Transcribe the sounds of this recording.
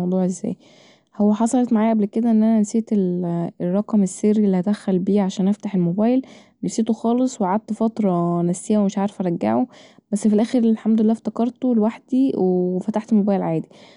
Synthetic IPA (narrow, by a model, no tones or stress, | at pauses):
ɑwd̪ˤuːʕʔezːæ̰ːj | howːæħɑsˤɑlet̪maʕaːjæʔæblked̪æʔenːʔænænseːt̪elrˤːɑqɑmesːerːiʔlːihæd̪æxːælbiːʕaʃæːnʔæft̪aħelmobæːjl | næfset̪oxɑːlesˤwʕad̪̚t̪fɑt̪ɾˤɑnæfsːejːæwemeʃʕaɾe̥fæɾˤɑɡːa̰ʕo | bæsːfilʔæːxeɾlħamd̪oelːæːft̪ækɑɾˤt̪olwaħd̪̥iwefæt̪aħt̪mobæːjelʕaːd̪i